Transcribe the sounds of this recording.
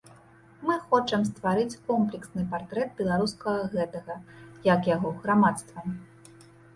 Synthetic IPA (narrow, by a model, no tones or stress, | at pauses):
mɨxɔt͡ʂɐmst̪vaɾɨt͡sʲkɔmplʲɛksnɨpart̪ɾɛt̪̚bʲɛlˠaɾuskɐɣɐɣɛt̪ɐɣɐjɐkjaɣɔɣɾamat̪st̪vɐm